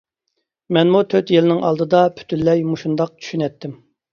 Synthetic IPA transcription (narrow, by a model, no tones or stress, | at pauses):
mɛnmut̪ʰøt̪jelɪnɪŋʔɑ̰lˠd̪ɨd̪ɑpʰy̥t̪ʰylːɛjmuʃund̪ɑq̚t͡ʃʰy̥ʃynɛt̪ʰːɪm